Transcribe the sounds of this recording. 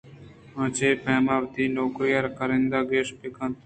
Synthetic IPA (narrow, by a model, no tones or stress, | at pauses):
ə̃ːt͡ʃeːpɛːmaːʋt̪iːnoːkɾijəɾkəɾɪ̃nd̪aːɡeːʃpɪkə̃nt̪